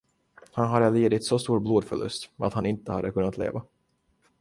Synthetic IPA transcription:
hanɦaɾɛleːd̪ɪt̪sɔst̪uːɾbloːd̪fœɭɵ̰st̪a̰t̪hanɪnt̪əhad̪ːəkʰɵnːat̪lḛːva

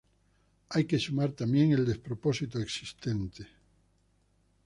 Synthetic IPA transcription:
ajkesumaɾt̪amjeŋeld̪espɾoposit̪oeksist̪ẽnt̪e

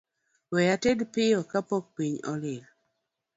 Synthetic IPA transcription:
wɛjatɛdpɪɔkapok̚piɲɔlɪl

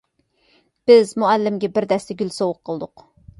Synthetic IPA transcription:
b̥ɪzmuælːɪmɡʲɛbɪɾd̪ɛst̪ɛɡʲylsowʊqʰːəlˠd̪ʊq

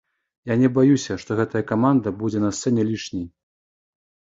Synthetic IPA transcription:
janʲɛbajusʲɐʂt̪ɔɣɛt̪ɐjɐkamand̪ɐbud͡zʲɛnɐst̪sɛnʲɛlʲit͡ʂnʲej

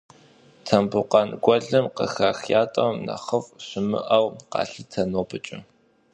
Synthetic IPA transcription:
tʰɐmbʊqɐnɡʷɔɮɨmqə̰xaːxjaːtʼɐwmnɐ̰χəfɕɪmɨ̰ʔɐwqɑ̰ːɬɨtʰɐnoːpʰɨt͡ʃʼɪ

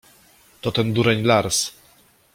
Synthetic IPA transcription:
t̪ɔt̪ɛnd̪uɾɛɲlaɾs

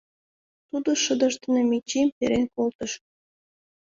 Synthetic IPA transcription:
t̪ud̪oʃəd̪əʃt̪ə̆nemit͡ɕimp̪eɾenkolt̪əʃ

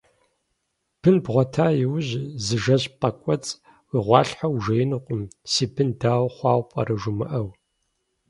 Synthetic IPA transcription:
b̥ɨnbʁʷɔtʰaːjɪwʑzɨʒɐʑpʼɐkʷʼɔt͡sʼ | wiʁʷɑ̰ːɬħawʒɐjɪnɨqʷʼʊmsiːbʰɨndaːwχʷɑːwʷpʼɐ̰ɾɐʒʷʊmɨ̰ʔɐw

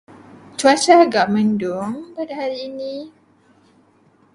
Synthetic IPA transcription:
t͡ʃuat͡ʃaɡaʔməndoŋpadahaɾini

